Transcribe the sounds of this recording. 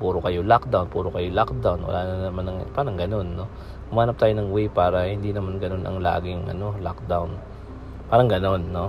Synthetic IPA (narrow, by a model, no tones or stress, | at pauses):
puːɾokɐjolak̚d̪awnpuːɾokɐjo̞lak̚d̪awnwɐ̰lʔaːnnɐmanɐŋpaːɾɐŋɡɐno̞nːo̞ | pʊmaːnɐp̚t̪aːjonɐŋwɛjpaːɾɐhɪnd̪inɐmanɡɐno̞nʔɐ̰ŋla̰ːɡɪŋʔɐ̰no̞lak̚d̪awn | paːɾɐŋɡɐno̞nːo̞